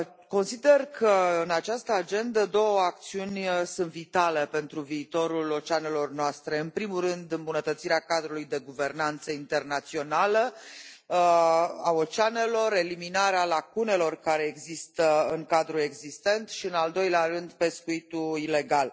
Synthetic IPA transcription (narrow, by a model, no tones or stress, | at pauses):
ko̞nsid̪e̞rkʰəɨnat͡ʃast̪əad͡ʒe̞nd̪əd̪o̞wəak̚t̪siunʲsunt̪vit̪ale̞pe̞nt̪ɾuviːt̪o̞ɾulo̞t͡ʃane̞lo̞rnoast̪ɾe̞ɨnpɾimuɾɨnd̪ɨmbunət̪ət̪siɾeakad̪ɾulujd̪e̞ɡuve̞rnant̪səint̪e̞rnat̪sio̞nalə | ao̞t͡ʃane̞lo̞ɾe̞liminaɾealakune̞lo̞rkaɾe̞ːɡzist̪əɨŋkad̪ɾue̞ɡzist̪e̞nt̪ʃiɨnald̪o̞jlearɨnd̪pe̞skuit̪uile̞ɡal